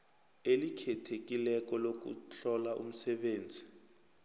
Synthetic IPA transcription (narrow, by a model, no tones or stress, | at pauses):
elikʰɛtʰek̬ilɛk̬ɔlok̬ṵɬʰɔlaʔṵm̩sɛɓeːnd͡zʱi